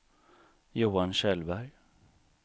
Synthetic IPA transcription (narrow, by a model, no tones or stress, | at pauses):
juːanɕɛlbæɾj